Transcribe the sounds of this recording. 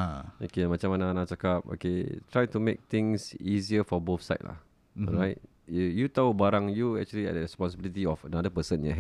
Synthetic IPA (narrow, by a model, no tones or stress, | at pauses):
aokemat͡ʃãmananat͡ʃakap̚o̰ket̪ʰɹajtumek̚t̪ɪ̃ŋsiziəfɔbofsa̰ɪt̚la̰h | ɔ̰ɹaɪt̚ | jut̪aubaɾãŋjuɛk̚t͡ʃuəliɛ̰ʔ̚dəɹɛspɔ̃ns̬əbilit̪̬iɔfənadəpəsə̃njɛ̰ɦ